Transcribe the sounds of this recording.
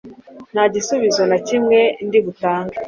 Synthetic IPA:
n̥haɟisuβizo̞nacimŋe̞ndiɡutaːŋɡa

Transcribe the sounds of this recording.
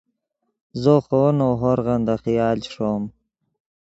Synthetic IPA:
zoχonoɦoɾɣɑnd̪aχijɑːlt͡ɕʂom

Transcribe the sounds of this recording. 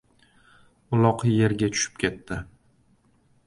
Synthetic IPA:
ʊlˠɒqije̞ɾɡʲatʰʊ̥ʃɪ̥p̚kʲʰe̞t̪ʰːɪ

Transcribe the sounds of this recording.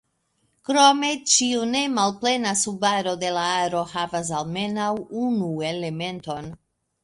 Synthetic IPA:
kɾo̞me̞t͡ʃiune̞malple̞nasubaɾo̞de̞laaɾo̞havas̬alme̞nawunue̞le̞me̞nto̞n

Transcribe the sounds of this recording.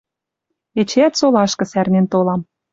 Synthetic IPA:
et͡ɕeæt̪solɑʃkɤ̆særnent̪olɑm

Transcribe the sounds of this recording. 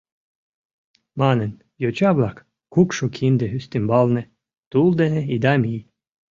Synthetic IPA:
manen | jot͡ʃablak | kukʃokʰind̪eɦyst̪imbɑlne | t̪ulˠd̪eneid̪amʲiː

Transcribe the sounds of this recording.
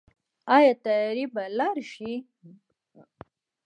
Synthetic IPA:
ɑjɑt̪ajɾibalaɾʃi

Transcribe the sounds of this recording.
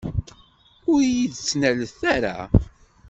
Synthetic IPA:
ʊɾjiðt͡sːnæləθæɾa̰

